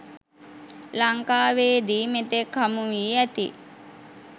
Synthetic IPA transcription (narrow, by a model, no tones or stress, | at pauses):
laŋkaːʋeːd̪iːmet̪ekːamuʋiːæt̪ḭ